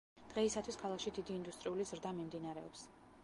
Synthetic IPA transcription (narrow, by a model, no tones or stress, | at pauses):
d̪̥ʁɛisat̪ʰwiskʰalˠakʃid̪id̪iːnd̪ust̪ʼɾiulizɾd̪amimd̪inaɾɛɔ̰ps